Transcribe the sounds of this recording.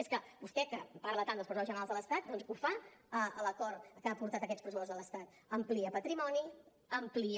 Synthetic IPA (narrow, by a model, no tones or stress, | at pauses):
eskəbust̪ɛkəpaɾlət̪and̪əlˠspɾəzuɔzʒənəɾalˠzðələst̪at̪̚d̪ɔnzufaəələkɔɾkapuɾt̪at̪əkɛt̪spɾəzupɔzðələst̪at̪̚ | əmpliəpət̪ɾimɔni | əmpli